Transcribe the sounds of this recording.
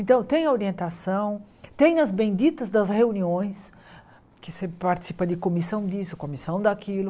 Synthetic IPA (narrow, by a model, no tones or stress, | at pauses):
ẽnt̪ɐ̃w̃t̪ẽj̃ɐoɾiẽnt̪asɐ̃w̃ | t̪ẽj̃nɐzbẽj̃d͡ʒ̪it̪ɐzd̪ɐzheuniõj̃s | kɪsepaɾt͡ʃ̪i̥sipɐd̪ɪkomisɐ̃w̃d̪isʊkõmisɐ̃w̃d̪akilʊ